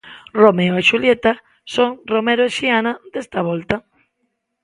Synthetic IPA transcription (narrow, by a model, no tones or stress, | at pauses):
romeoeʃuljet̪a | soŋromeɾoeʃianad̪est̪aβɔlt̪a